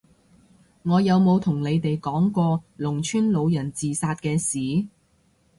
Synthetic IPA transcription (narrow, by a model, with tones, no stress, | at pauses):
ŋɔː˨˧jɐ˨˧wmo˨˧wt̪ʰʊ˨˩ŋle˨˧jt̪e˨jkɔː˨˥ŋkɔː˧lʊ˨˩ŋt͡ʃʰyː˥nlo˨˧wjɐ˨˩nt͡siː˨saː˧t̚kɛː˧siː˨˥